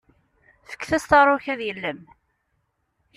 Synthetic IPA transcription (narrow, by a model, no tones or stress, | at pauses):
fə̥kːθæst̪ɑɾˤʊçæðjəlːəm